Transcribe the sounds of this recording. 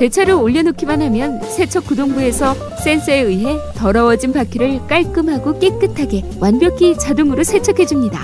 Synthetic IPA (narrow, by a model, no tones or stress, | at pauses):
te̞t͡ɕʰaɾɯoʎːʌnokʰimanɦamjʌnsʰe̞t͡ɕʰʌk͈udoŋbue̞sʰʌ | s͈e̞ns͈ʰɯeɯɦe̞tʌɾʌwʌd͡ʑinpakʰjiɾɯɭk͈aɭk͈ɯmɦaɡok͈ek͈ɯtʰaɡe̞ | wanbjʌkʰit͡ɕadoŋɯɾosʰe̞t͡ɕʰʌkʰe̞d͡ʑumɲida